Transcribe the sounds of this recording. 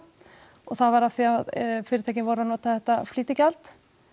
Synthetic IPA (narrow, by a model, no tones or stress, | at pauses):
ɔɣθaðvaɾafθiaðfɪːɾɪt̪ʰaːjcɪnvɔɾanɔːt̪aθɛht̪afliːt̪ɪcal̥t̪